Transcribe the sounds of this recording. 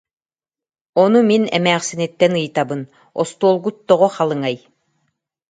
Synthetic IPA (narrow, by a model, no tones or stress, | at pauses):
ɔnuminɛ̰mæːχsinɛt̪ːɛnɯjt̪abɯn | ɔ̰st̪uɔlˠɡut̪ːɔʁɔχalˠɯŋaj